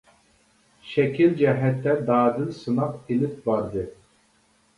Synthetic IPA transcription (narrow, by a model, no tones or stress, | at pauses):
ʃɛkʲild͡ʒɛɦɛt̪ːɛd̪ɑːd̪ɪlsɨnɑqilɪp̚bɑɾd̪ɨ